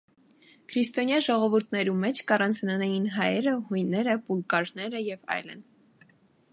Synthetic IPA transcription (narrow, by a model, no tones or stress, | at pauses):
kʰɾist̪ɔnjɑʒɔʁɔvuɾt̪ʰnɛɾumɛt͡ʃʰkɑrɑnt͡sʰnənɛjinɦɑjɛɾəhujnːɛɾəpulkɑɾnɛɾəjɛvɑ̰jlə̰n